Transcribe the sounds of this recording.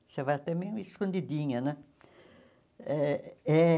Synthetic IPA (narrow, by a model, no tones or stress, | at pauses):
sevaɐt̪ɛmẽiskõnd̪id̪ĩɲɐnɛ̃ | ɛɛ